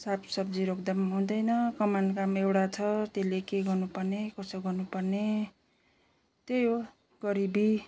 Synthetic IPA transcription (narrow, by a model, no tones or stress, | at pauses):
sapʰsʌb̚d͡ziɾokd̪ʌmaɦũd̪ʌjnʌkʌmankamewɽat͡sʰʌt̪elekeɡʌrnupʌrnekʌsʌɡʌnupʌrne | t̪ejo | ɡ̥ʌɾibi